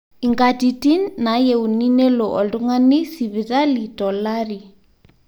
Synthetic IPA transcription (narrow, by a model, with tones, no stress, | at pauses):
i˨ŋɡa˨ti˨ti˦nːa˨˦je˨u˨ni˦ne˦lo˨ʔɔ˨ldu˦ŋa˦ni˦si˨βi˨ta˦li˨dɔ˨la˦ɾi˨